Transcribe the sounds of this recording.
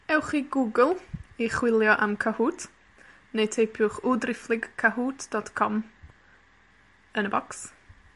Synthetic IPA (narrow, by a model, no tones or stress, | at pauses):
ɛwχiɡuɡəlˠiχwɪlˠjɔʔamkʰahuːtʰ | nejtʰejpʰjʊχʊdrɪflˠɪɡkʰːaɦuːtʰd̥ɔtkʰɔm | ənəbɔks